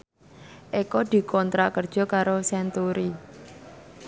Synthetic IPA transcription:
ʔekɔd̪̥i̤kʰɔnt̪ɾaʔkər̥ʒ̥ɔ̤kaɾosɛnt̪uɾi

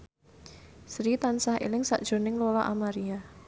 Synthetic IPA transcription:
sɾit̪ansahʔḛlɪŋsa̰ʔd̥ʒ̥o̤nɪŋlolaʔamaɾia

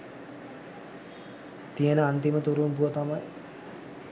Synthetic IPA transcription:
t̪ijənəant̪imət̪uɾunpuət̪amaj

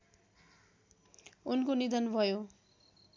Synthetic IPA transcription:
unkonid̪ʌnbʱʌjo

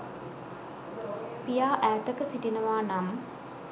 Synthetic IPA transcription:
pijaːʔæːt̪əkəsiʈinəʋaːnam

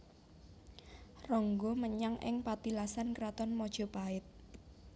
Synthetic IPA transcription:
rɔŋɡoməɲaŋʔɪ̰ŋpat̪ilasankɾat̪ɔnmɔd̥ʒ̥ɔ̤paɪt̪̚

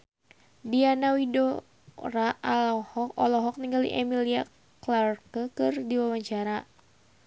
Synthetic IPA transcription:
dianawido | raʔalɔhɔkɔ̰lɔɦɔk̚niŋɡalḭʔɛmilia | klarkəkɨrdiwawaɲt͡ʃaɾa

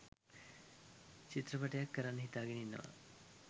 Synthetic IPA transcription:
t͡ɕit̪ɾɐpɐʈɐjakːɐɾanːɦit̪aːɡeninːɐ̰ʋɐ̰

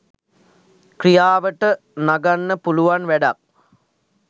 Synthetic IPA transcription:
krijaːʋəʈə | naɡanːəpuluʋanʋæɖak̚

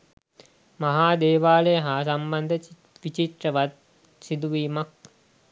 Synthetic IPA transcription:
maɦaːd̪eːʋaːləjəɦasamband̪ʱə | ʋit͡ʃit̪rəʋat̪̚ | sid̪uʋiːmak̚

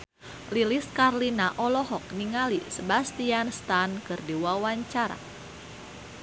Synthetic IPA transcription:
liliskarlinaʔɔlɔɦɔk̚niŋalisəbast̪ianst̪ankɨrdiwawaɲt͡ʃaɾa̰

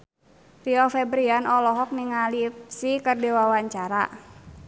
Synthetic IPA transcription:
riɔfɛbɾianɔlɔɦɔk̚niŋalipsikərdiwawaɲt͡ʃaɾa̰

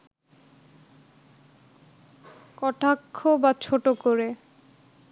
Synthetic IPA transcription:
kɔʈakʰːobat͡ɕʰoʈokoɾe

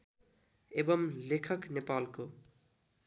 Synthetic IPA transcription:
ebʌmlekʰʌknepalko

